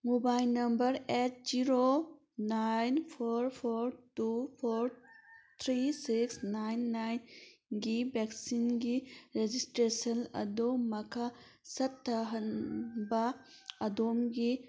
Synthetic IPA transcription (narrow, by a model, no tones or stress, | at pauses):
mubajlnɐmbɐɾet̚ziɾo | najnpʰoɾpʰoɾtupʰoɾt̪ʰɾisiksnajnːajnɡibeksinɡiɾed͡ʒistɾesɐnɐ̰dumɐkʰa | sɐtʰːɐɦɐnbɐɐdomɡi